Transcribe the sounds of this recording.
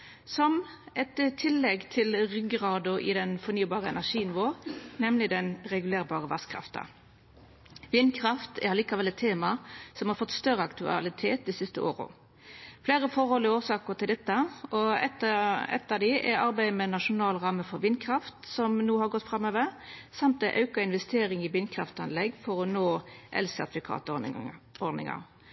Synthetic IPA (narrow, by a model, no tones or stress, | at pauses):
sɔmʔɛt̪t̪ʰːɪlːɛɡt̪ʰɪlɾʏɡəɾɑːd̪ʊʔɪ̰d̪ɛnfɔɾnyːbɑːɾəɛ̰næʂiːnɪʋoːnɛmlɪd̪ɛnɾɛɡʉleːɾbɑːɾəʋɑskʰɾɑ̰ft̪ə̰ | ʋɪnkʰɾɑft̪ɛ̰ɾɑliːkɑʋɛlɛt̪ʰːeːmɑsɔmhɑɾfɔt̪ːst̪œɾəɑkt̪ʉɑ̰lɪt̪ʰeːt̪̚d̪isɪst̪əʔo̰ːɾə̰ | fleːɾəfɔɾhɔlɔoːsɑːkəɾt̪ʰɪld̪ɛt̪ːəɔɛt̪əɛ̰t̪ːɑʋd̪ɪʔɛ̰ɾɑɾbæɪmɛnɑʂʊnɑːlʁɑməfɔɾʋɪnkʰɾɑft̪sɔmnuːhɑɾɡɔt̪ːfɾɑmːøːʋəɾsɑmt̪d̪ɛʔɑʉkɑɪnʋɛst̪ʰeːɾɪŋɪʋɪnkʰɾɑft̪ɑ̰nlɛɡfɔɾɔnoːʔɛ̰lsæt̪fɪkʰɑ̰ːt̪ | ɔd̪ɪ̰ŋɑ̰ɾ